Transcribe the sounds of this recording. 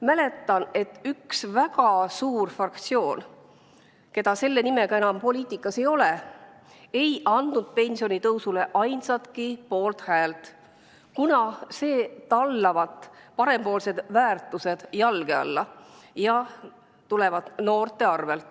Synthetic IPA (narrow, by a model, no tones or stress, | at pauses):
mæle̞t̪ːˑɑne̞t̪ːˑyksvæɡɑsuːrfrɑkt̪sio̞ːn | ke̞d̪̥ɑse̞lːe̞nime̞ɡ̥ɑenɑmpo̞lʲiːt̪ikːˑɑse̞jo̞le̞ | e̞jʔɑnd̪nud̪̥̚pe̞nʲsio̞nʲit̪ɤwsule̞ʔɑjnsɑt̪kipo̞ːlt̪hæːlt̪ | kunɑse̞ːt̪ɑlːɑvɑt̪ˑpɑɾe̞mpo̞ːlse̞d̪̥væːrt̪ːˑuse̞d̪̥jɑlɡ̥e̞ɑ̰lːɑjɑ | t̪ule̞vɑd̪̥no̞ːrt̪e̞ɑrve̞lt̪ːˑ